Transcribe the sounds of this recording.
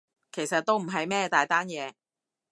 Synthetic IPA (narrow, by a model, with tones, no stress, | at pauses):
kʰe˨˩jsɐ˨t̚t̪o˥wm̩˨˩ɦɐ˨jmɛː˥t̪aː˨jt̪aː˥njɛː˨˧